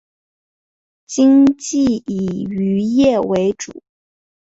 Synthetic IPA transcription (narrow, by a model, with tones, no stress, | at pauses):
t͡ɕi˥ŋt͡ɕi˥˩i˨˩y˧˥jɛ˥˩we˧˥ɪʈ͡ʂṵ˨˩˦